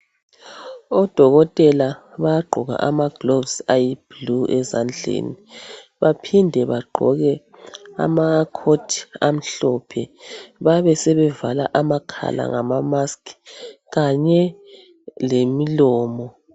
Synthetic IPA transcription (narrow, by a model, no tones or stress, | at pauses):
ɔd̥ʱɔɣɔtʼɛlaβajaɡ͡ǃʱɔɣa̰ʔamaɡ̥lovsajib̥luɛzand͡ɮʱḛnḭβapʰindʱɛβaɡ͡ǃʱɔ̰ɣɛ | a̰makʰotʰi̥am̩ɬɔpʰɛβaβɛsɛβɛvala̰ʔamakʰa̰la̰ŋamamaskʰ | ɣaɲɛ | lemilɔːmɔ